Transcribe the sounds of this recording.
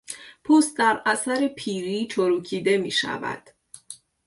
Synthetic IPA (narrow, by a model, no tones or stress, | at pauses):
pʰuːst̪̚d̪æɾæsæɾepʰiːɾiːt͡ʃʰoɾuːcʰiːd̪e̞miːʃæ̰væ̰d̪̥